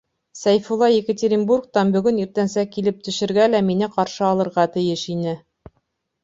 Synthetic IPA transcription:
sæjfulˠɑjekətʲeɾʲɪnburk̚t̪ɑnbɵ̆ɡɵniɾt̪ænsækːilɘp̚t̪ɵ̆ʃɘ̆ɾɡælæminɘqɑɾʃɤɑlˠɤ̆ɾʁɑt̪ɘ̆jɘʃinɘ

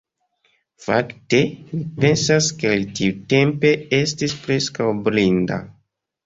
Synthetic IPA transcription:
fa̰kte̞mipe̞nsaskelitiute̞mpe̞estispɾe̞skawblinda̰

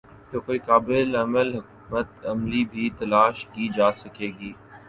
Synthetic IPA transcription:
t̪oːkoːiːkaːbɪlɐməlɦʊkumət̪ɐmlibʱiːt̪ɐlaːʃkiːd͡ʒaːsɐkeːɡiː

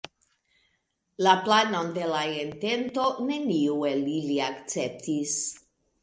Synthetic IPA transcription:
laplanond̪elaent̪ent̪oneniweliliakt͡sep̚t̪is

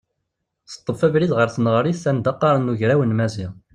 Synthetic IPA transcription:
θə̥t̪ˤːəfævɾiðʁəɾθnəʁɾiθθænd̪ɑqːɑɾˤənːuʝɾæwənmæziʁ

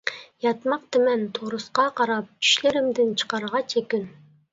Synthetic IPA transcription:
jɑt̪mɑq̚t̪ɨmɛnt̪ʰoɾʊsqɑqʰɑɾɑp̚t͡ʃʰy̥ʃlɪɾɪmd̪ɪnt͡ʃʰə̥qɑɾəʁɑt͡ʃʰekʲyn

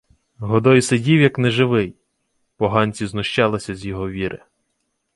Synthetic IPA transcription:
ɦɔd̪ɔjsedʲiwjɐknɛʒɪʋɪj | pɔɦɑnʲt͡sʲiznʊʃt͡ʃɑlˠɪsʲɐzʲjɔɦɔʋʲiɾʔɪ̰

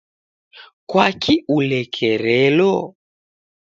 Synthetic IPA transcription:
kwakʰiʔulɛkʰɛɾɛlɔ

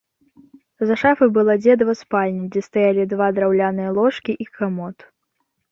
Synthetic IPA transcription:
zɐʂafɨbɨlˠad͡zʲɛd̪vɐspalʲnʲid͡zʲɛst̪ajalʲid̪vad̪ɾawlʲanɨjɐlˠɔʂkʲiʔikamɔt̪

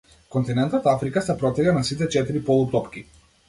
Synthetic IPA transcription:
kɔnt̪inɛnt̪ɔt̪afɾikasɛpɾɔt̪ɛɡanasit̪ɛt͡ʃɛt̪iɾipɔlˠupt̪ɔpk̟i

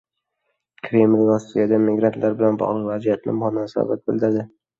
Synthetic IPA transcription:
kʰɾe̞mlʲɾɒsːijad̪amɪɡɾant̪ʰlaɾbɪlanbɒ̰ʁlˠɨqvazijat̪̚ʰnɪ̰mhɒnasɒ̰bat̪̚bɪlˠd̪ɪɾd̪ɪ

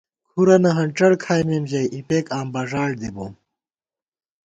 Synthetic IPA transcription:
kʰuɾɐnɐɦɐɳʈ͡ʂɐɽkʰaːjmemʑɐjʔipeːkaːmbɐʐaːɻd̪iboːm

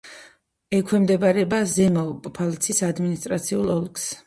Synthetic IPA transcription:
ɛkʰwɛmd̪ɛbaɾɛbazɛmɔpʼpʰalt̪sʰisad̪minist̪ʼɾat̪sʰiulˠɔlˠks

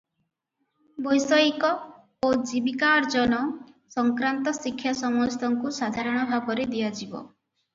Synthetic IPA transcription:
bɔjsɔjkɔ | od͡ʒibikaɾd͡ʒɔnɔ | sɔŋkɾant̪ɔsikʰːjasɔmɔst̪ɔŋkusad̪ʱaɾɔɽ̃ɔbʱabɔɾed̪iad͡ʒibɔ̰

